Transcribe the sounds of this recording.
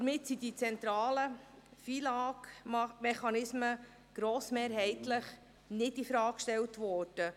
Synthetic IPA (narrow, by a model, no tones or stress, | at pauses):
dəɾmɪtsid̥it͡sɛnt̪ɾɑːlə | fiːlɑːkmɛχɑnɪsmə | ɡ̥ɾoːsmeːɾɦɛɪtləχ | nɪdifɾɑːkkʃtɛltʋɔːrd̥ə